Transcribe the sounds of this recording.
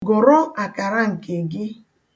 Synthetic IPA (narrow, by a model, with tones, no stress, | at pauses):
ɡo˨ɾɔ˦a˨ka˨ɾa˦ŋ̩˨ke˨ɡɪ˦